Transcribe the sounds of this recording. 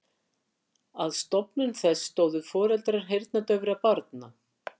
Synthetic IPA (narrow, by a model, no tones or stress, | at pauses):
aðst̪ɔpnʏnθɛsːt̪oːwðʏfɔːɾɛlt̪ɾaɾ̥ɦejɾt̪nat̪œvʏɾaðpaɾt̪na